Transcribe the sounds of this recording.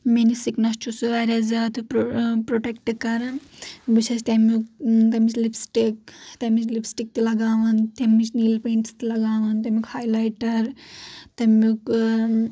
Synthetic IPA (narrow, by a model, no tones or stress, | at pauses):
menisiknɐst͡ʃʰusuʋaːɾʲɐzɐt̪ʰɨpɾoʈek̚ʈɨkɐɾɐnbɨt͡ʃʰɐst̪ʲɐmukt̪ɐmit͡ʃlipsʈik̚t̪ɐmit͡ʃlipsʈik̚t̪ilɐɡaːʋɐnt̪ɐmːit͡ʃniːlpeːɳʈst̪ilɐɡaːʋɐnt̪ɐmikhaːjlajʈɐɾt̪ɐmuk